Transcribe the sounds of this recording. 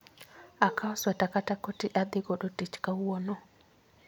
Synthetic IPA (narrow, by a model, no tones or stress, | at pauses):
akʰaɔswatakatakotiʔad̪ɪɡɔɗɔtit͡ʃkawwɔnɔ